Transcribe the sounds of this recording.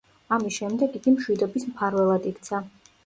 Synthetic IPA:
amisʃɛmd̪ɛɡiɡ̥imʃwid̪ɔbismpʰaɾvɛlˠad̪ikt̪sʰa

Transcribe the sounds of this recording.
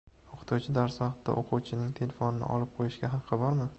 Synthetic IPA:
oqʰɨ̥t̪ʰuwt͡ʃʰɪd̪aɾsvɑqt̪ːa̰ʔoqʰʊwt͡ʃʰɪnɪŋt̪ʰe̞lʲefonɪnɪ̰ʔɒ̰lɪp̚qʰojɪʃɡʲaɦɑqʰːɨbɒɾmɪ

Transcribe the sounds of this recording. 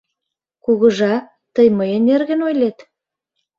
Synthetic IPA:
kuɣə̆ʒɑ | t̪əjməjənerɣə̆nojlet̪

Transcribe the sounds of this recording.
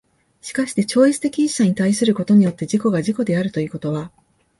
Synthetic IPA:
ɕi̥kaɕi̥t̪e̞t͡ɕo̞ːit͡sɨ̥t̪e̞kʲiĩɕaɲ̟it̪aisɨɾɯ̟ko̞t̪o̞ɲ̟ijo̞t̪ːe̞ʑiko̞ɡaʑiko̞d̪e̞aɾɯ̟t̪o̞i̟ːko̞t̪o̞βa

